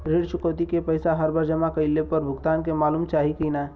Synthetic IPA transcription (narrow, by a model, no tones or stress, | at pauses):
ɾeɽt͡ʃʊkəwt̪ikepəjsaɦəɾbʱaɾd͡ʒəmakəɪlepəɾbʱʊɡt̪aːnkemaːluːmt͡ʃaːɦikəna